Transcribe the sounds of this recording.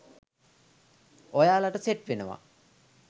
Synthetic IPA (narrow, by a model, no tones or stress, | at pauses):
ojaːlaʈəseʈʋenəʋa̰